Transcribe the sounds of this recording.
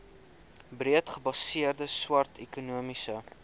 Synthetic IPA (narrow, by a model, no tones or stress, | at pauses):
briətχəbɐsiərdəswɐrtʰɛkunuəmisə